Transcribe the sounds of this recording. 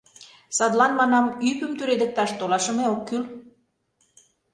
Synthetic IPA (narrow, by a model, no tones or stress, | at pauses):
sɑd̪lɑnmɑnɑmypəmt̪yɾed̪ə̆k̚t̪ɑʃt̪olɑʃə̆meokːyl